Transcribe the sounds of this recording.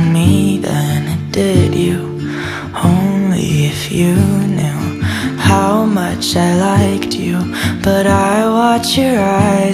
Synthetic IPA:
miðɨ̃nɪt̚d̥ɪdʉ | õʊ̃nlḭɪfjɨnoʊhaʊmʌt͡ʃaɪlaɪkt͡ʃʰʉ | b̥ʌɾaɪwɑt͡ʃjə˞aɪ

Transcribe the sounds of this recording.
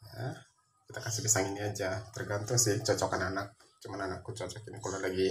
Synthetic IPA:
ja | kit̪akasɪhbisaŋiniad͡ʒat̪ərɡant̪ʊŋsɪht͡ʃɔt͡ʃɔkananak̚ | t͡ʃumananakːut͡ʃɔt͡ʃɔkinikulalaɡi

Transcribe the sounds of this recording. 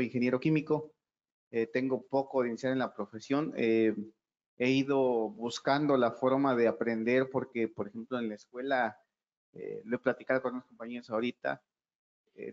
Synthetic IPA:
iŋxe̞nje̞ɾo̞kimiko̞ | et̪e̞ŋɡo̞po̞ko̞ðeinisjaɾenlapɾo̞fe̞sjo̞ne | e̞iðo̞βuskand̪o̞lafo̞ɾmaðe̞apɾe̞nd̪e̞ɾpo̞ɾke̞po̞ɾexe̞mplo̞enlaeskwe̞la | ḛlo̞eplat̪ikaðokonunosko̞mpaɲeosaoɾit̪a̰ | ḛ

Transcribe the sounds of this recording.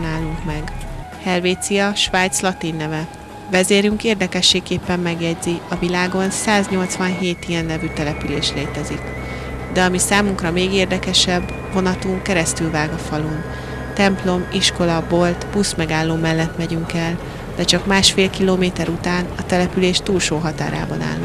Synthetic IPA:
naːlːuŋkmɛɡ | hɛlveːt̪sijɒʃʋaːjt̪slɒt̪inːɛvɛ | vɛzeːɾyŋkeːrd̪ɛkɛʃːeːkkːeːpːɛmːɛɡjɛɟziɒvilaːɡo̞nsaːzɲo̞lt̪sʋɒnɦeːt̪ijɛnːɛvyt̪ɛlɛpyleːʃleːt̪ɛzik | d̪ɛɒmisaːmuŋkrɒmeːɡeːrd̪ɛkɛʃɛbː | vo̞nɒt̪uŋkɛɾɛst̪ylvaːɡɒfɒlun | t̪ɛmplo̞miʃko̞lɒbo̞lt̪b̥usmɛɡaːlːoːmɛlːɛt̪mɛɟyŋkɛl | d̪̥ɛt͡ʃɒkmaːʃfeːlkiloːmeːt̪ɛɾut̪aːnɒt̪ɛlɛpyleːʃt̪uːlʃoːɦɒt̪a̰ːɾa̰ːbɒna̰ːlː

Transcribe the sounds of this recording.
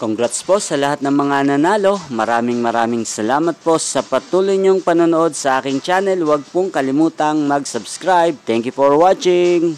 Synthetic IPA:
koŋɡɾat̪spo̞sɐlɐhat̪̚nɐŋmɐŋanɐnaːlo̞mɐɾaːmɪŋmɐɾaːmɪŋsɐlaːmɐt̪̚po̞sɐpɐt̪uːlʊjɲoŋpɐnonoʔo̞d̪̚sɐʔaːkɪŋt͡ʃaːnɛlwɐɡ̚poŋkɐlɪmuːt̪ɐŋmɐɡsɐbskɾajb̚t̪ɛŋkjʊfoɹwat͡ʃɪŋ

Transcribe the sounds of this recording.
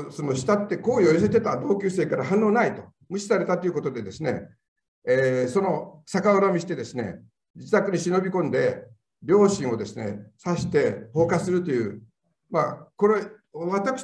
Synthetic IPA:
sono̞ɕi̥t̪at̪ːe̞ko̞ːjo̞jos̬e̞t̪e̞t̪ad̪o̞ːkʲɨːse̞ːkaɾaɦãnːo̞ːnait̪o̞ | mɯ̟ɕi̥saɾe̞t̪at̪ːeiɯ̟ko̞t̪od̪e̞d̪e̞sɨne̞̰ | eːso̞no̞sakaoɾamʲiɕi̥t̪e̞d̪e̞sɨne̞̰ | d͡ʑit̪akɯɲ̟iɕino̞bʲikõ̞nd̪e̞ | ɾʲjo̞ːɕĩɰ̃o̞d̪e̞sɨne̞̰saɕi̥t̪e̞ho̞ːkasɨɾɯ̟t̪o̞jɯ̟̰ː | mako̞ɾeβat̪akɯ̥

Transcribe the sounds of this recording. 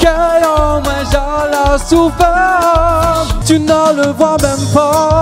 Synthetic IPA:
kɛɔ̃mɛ̃ʒalasufɛ | t̪ynaləvwamɛmpa

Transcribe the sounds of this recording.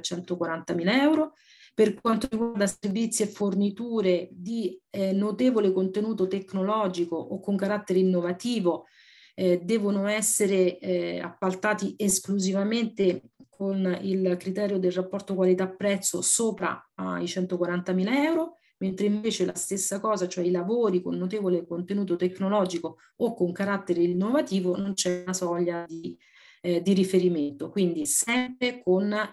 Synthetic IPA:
t͡ʃɛnt̪okwaɾant̪amilaɛwɾo | perkwant̪oriɡward̪aservit̪sːjiefːornit̪uːɾed̪inot̪eːvolekont̪enuːt̪ot̪eknolɔːd͡ʒikoʔokːoŋkaɾat̪ːeɾeinːovat̪iːvo | d̪ɛːvonoɛsːeɾea̰pːalt̪aːt̪iʔeskluzivament̪ekʰonilkɾit̪ɛːɾjod̪elrapːɔrt̪okwalit̪apːɾɛt̪sːo̰soːpɾa̰a̰it͡ʃɛnt̪okwaɾant̪amiːlaɛwɾo | ment̪ɾeiɱveːt͡ʃela̰st̪esːakɔːzat͡ʃoɛilavoːɾikonːot̪eːvolekont̪enuːt̪̬ot̪ekːnolɔːd͡ʒikoː | kːoŋkaɾat̪ːeɾeinːovat̪iːvonont͡ʃɛunasɔʎːad̪i | d̪iɾifeɾiment̪okwind̪isɛmpɾekon

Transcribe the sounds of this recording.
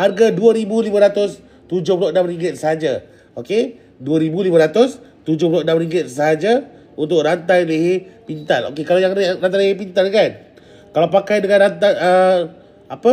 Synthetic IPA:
harɡaduəɾibulimãɾat̪ʊs | t̪ud͡ʒʊhpuloʔnamriŋɡɪt̪̚səɦad͡ʒa | oke | duəɾibulimaɾat̪ʊst̪ud͡ʒʊhpuloʔnamriŋɡɪt̪̚səɦad͡ʒa | unt̪̬ʊʔrant̪ajleɦepint̪alo̰kekalajaŋrant̪ajlhep̬int̪ankan | kalapakajdəŋanɾant̪ajə | apə

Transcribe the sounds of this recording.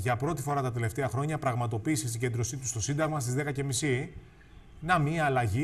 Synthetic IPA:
ʝɐpɾo̞t̪ifo̞ɾɐt̪ɐt̪e̞le̞ft̪eɐxɾo̞ɲɐpɾɐɣmɐt̪o̞piːsisiɲɟed̪ɾo̞sit̪u̥st̪o̞sind̪ɐɣmɐst̪izðe̞kɐce̞misi | nɐmiɐːlɐʝi

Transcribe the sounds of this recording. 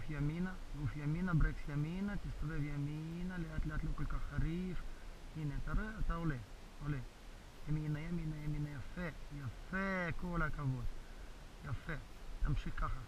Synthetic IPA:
fjaminaufjaminabɾeksjaminat̪ist̪avevjaminaleat̪leaːt̪lokolkaχaɾifineat̪aɾoeat̪aole | ole | jaminajaminajaminajafejafekolakavot̪ | jafet̪amʃikːaχa

